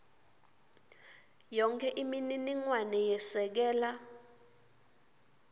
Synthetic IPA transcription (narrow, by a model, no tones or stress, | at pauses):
jɔŋkʰɛʔimininiŋwanɛjɛsɛk̬ɛːla